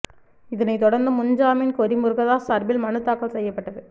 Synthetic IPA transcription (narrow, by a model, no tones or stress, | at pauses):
ɪðɐnɐɪt̪ɔɽɐɾnd̪ɯmʊɲd͡ʒaːmɪnkɔɾɪmɯɾɣɐðaːsɐɾbɪlmɐnɯt̪ːaːkːɐɭsɛjːɐpːɐʈːɐðɯ